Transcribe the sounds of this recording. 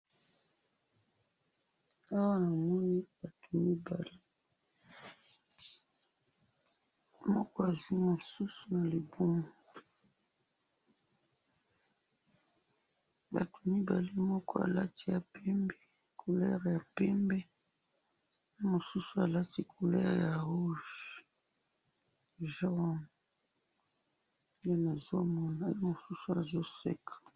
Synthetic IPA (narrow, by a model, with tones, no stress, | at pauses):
a˦wa˦na˨mɔ˦ni˦ba˨tu˨mi˦ba˨li˦ | mɔ˦kɔ˦a˨zwi˦mo˨su˦su˨na˨le˨bu˦mu˨ | ba̰˨tu̥˨mi˦ba̰˨li˦mɔ˦kɔ˦a̰˨la˦ti˨ja˨pʰɛ˦mbɛ˦ | kʰo˨lɛ˦ʁja˨pɛ˦mbɛ˦ | o˦mo˨su˦su˨a˨la˦ti˨kʰo˨lɛ̰˦ʁja˨ʁu˦ʒ | ʒɔ˦ | je˦na˨zo˦mɔ˦na˨jo˦mo˨su˦su˨a˨zo˦sɛ̰˦kʰḁ˨